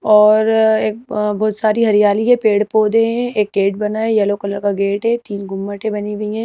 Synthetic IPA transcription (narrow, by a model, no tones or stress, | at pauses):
ɔːɾeːk̚bɔːt̪saːɾiɦɐɾijaːliɦɛ̃peːɽpoːd̪ẽɦɛ̃eːk̚ːɡeːʈbɐnaejɐlokɐləɾkaɡeːʈɦɛt̪iːnɡʊmːəʈẽbɐniʋiɦɛ̃ː